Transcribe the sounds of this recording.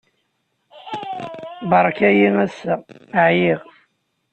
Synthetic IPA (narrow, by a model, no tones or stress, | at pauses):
bɑɾˤkæjimæsːæʕjiʁ